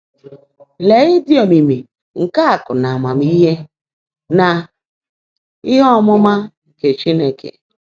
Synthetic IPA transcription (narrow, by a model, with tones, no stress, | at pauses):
le˨ɣɪ˦di˦o˨mi˨mi˨ | ŋ̩˨ka˦a˨kʊ˨na˨a˨ma˨m˦i˦ɦe˦ | na˨ | ɪ˦ɦɔ˦mʊ˦ma˦ | ke˨t͡ʃi˦ne˦kʰḛ˨